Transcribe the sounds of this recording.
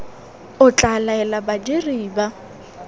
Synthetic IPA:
ʊt͡ɬʼalaɛlabad͡ʒeriːba

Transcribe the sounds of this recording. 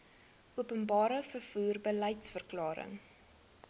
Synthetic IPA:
ʔuəpənbɑːɾəfərfuːrbəlɛjtsfərklɑːɾə̰ŋ

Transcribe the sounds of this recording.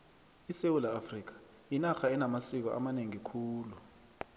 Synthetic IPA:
isewulaːfrik̬ḁ | inaxaɛnamasik̬ɔʔa̰maneŋikʰuːlu

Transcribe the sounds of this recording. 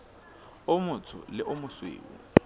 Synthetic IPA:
ʊmʊt͡sʰʊ̰lɪʔʊmʊswḛːṵ

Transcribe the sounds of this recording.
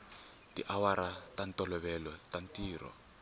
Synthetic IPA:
tiʔawaɾatantɔlɔβɛlɔtantiːɾɔ̰

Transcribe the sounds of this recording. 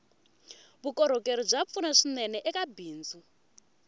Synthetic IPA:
βukɔɾ̤ɔkeɾɔb͡ʐap̪funaʂinɛnɛʔɛkabiːnd͡zu

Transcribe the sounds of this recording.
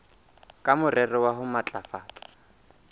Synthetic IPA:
kʼamʊrɛrɪwaɦʊmat͡ɬʼafaːtʼḁ

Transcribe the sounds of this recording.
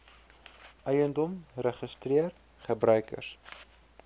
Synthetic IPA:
œjəndɔmrəχəstriər | χəbrœɥkə̰rs

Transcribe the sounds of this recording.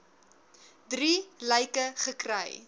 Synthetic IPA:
driləjkəχəkrə̰j

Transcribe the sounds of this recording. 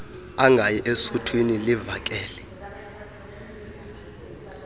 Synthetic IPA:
aŋɡʱajɛʔesutʰwinilivak̬ʼɛːlɛ

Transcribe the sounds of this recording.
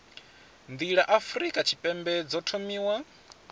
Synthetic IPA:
nd̪iɺaʔafɾikʼat͡ʃʰi̥pʼɛmbɛd͡zɔtʰomiːwa

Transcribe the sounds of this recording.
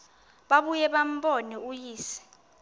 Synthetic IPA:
ɓaɓujɛɓam̩ɓɔnɛujiːsɛ̥

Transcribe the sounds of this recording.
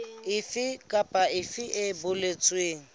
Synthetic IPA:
ɪfɪkʼapʼaɪfɪʔɪbʊlet͡sʼweːŋ̩

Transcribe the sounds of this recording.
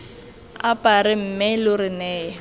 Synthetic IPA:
apʼaɾɪm̩mɪlʊɾɪnɛː

